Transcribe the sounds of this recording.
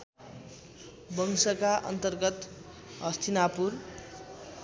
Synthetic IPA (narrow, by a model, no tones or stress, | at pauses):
bʌŋsʌkaʔʌ̰nt̪ʌrɡʌt̪ | ɦʌst̪ʰinapur